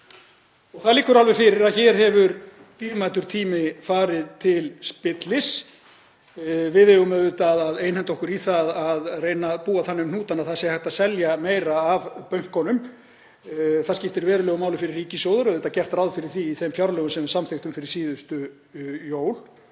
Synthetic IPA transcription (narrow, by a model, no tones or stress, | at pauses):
ɔɣθaðliːkːʏɾalvɛfɪɾɪɾaðçɛɾ̥hɛvʏɾ | t̪iːvmaːt̪ʏɾ̥t̪ʰiːmɪfaːɾɪðt̪ʰɪlspɪt̪lɪs | vɪðɛɣʏmɛðʏt̪aðaðejnhɛnt̪ɔhkʏɾiθaðaðreːjnapuːaθanːʏmnuːt̪anaðθaðsjɛhɛht̪asɛljameːjɾaːvpœɥŋ̥kɔnʏm | θascɪft̪ɪɾvɛːɾʏlœːɣʏmaːwlɪfɪɾɪrːiːcɪsjoːwðʏɾœðʏːt̪acɛr̥t̪rawðfɪɾɪɾ̥θiːθemfjawɾlœːɣʏmsɛmɪ̥samθeht̪ʏmfɪɾɪɾ̥siːðʏst̪ʏ | joːwl